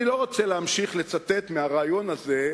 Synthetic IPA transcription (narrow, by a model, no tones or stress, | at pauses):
ilo̞ʁot͡seleamʃiχlet͡sat̪e̞t̪meaʁaːjo̞naze̞